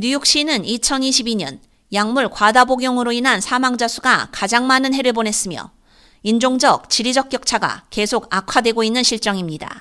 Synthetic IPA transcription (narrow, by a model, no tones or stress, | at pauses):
ɲujʌk̚ɕ͈inɯnit͡ɕʰʌniɕʰibiɲʌ̰n | jaŋmuɭkwadaboɡjʌŋɯɾoinɦansʰamaŋd͡ʑasʰuɡakad͡ʑaŋmanɯnɦe̞ɾɯɭbone̞s͈ɯmjʌ̰ | ind͡ʑoŋd͡ʑʌk̚t͡ɕiɾid͡ʑʌk̚k͈jʌk̚t͡ɕʰaɡa̰ke̞sʰoɡ̚akʰwadwe̞ɡoinːɯnɕʰiɭt͡ɕ͈ʌŋimɲida̰